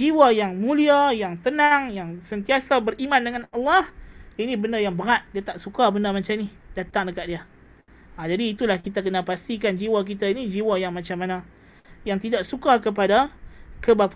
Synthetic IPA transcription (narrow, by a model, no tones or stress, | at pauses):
d͡ʒiwajaŋmũliajaŋt̪ənaŋjaŋsənt̪iasabərʔimãndəŋanalːɑhinibəndəjaŋbəŋat̪̚diat̪aʔsukabənəmat͡ʃamnihdat̪aŋdəkat̪̚dia | ad͡ʒadiːt̪ulahkit̪ak̬ənapast̪ikand͡ʒiwak̬it̪ainid͡ʒiwajaŋmat͡ʃamana | jaŋt̪idaʔ̚sukakəp̬adakəbat̪